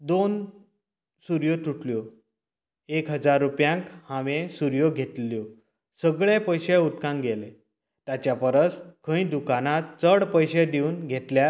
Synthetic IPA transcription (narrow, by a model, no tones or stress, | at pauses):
d̪on | suɾjot̪uʈljo | ekɦəd͡zaɾːupjãŋkhãʋẽsuɾjoɡʱet̪ljo | səɡɭepəjɕeut̪kãŋɡele | t̪at͡ɕjapəɾəskʰə̃ĩd̪ukanat̪t͡səɽpəjɕed̪iuːnɡʱet̪lja